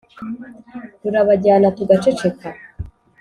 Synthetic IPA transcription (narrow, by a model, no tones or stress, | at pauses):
tuɾaβaɟaːnatuɡat͡ʃe̞t͡ʃe̞ka